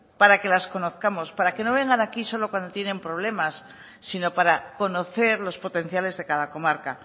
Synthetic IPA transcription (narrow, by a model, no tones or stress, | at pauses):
paɾake̞lasko̞no̞θkamo̞spaɾake̞no̞βe̞ŋɡanakiso̞lo̞kwand̪o̞t̪je̞nẽ̞mpɾo̞β̞le̞masː | ino̞paɾako̞no̞θe̞ɾlo̞spot̪e̞n̟θjale̞zðe̞kaðako̞maɾka